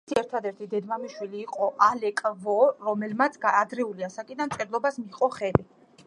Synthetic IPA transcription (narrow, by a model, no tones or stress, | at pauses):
iɛɾt̪ʰad̪ɛɾt̪ʰid̪ɛd̪mamiʃwiliːqʼɔʔalɛkʼvɔɾɔmɛlmat̪sʰɡaːd̪ɾɛuliasakʼid̪anmt̪t͡ʃ̪ʼɛd̪lˠɔbasmiqʼɔχɛli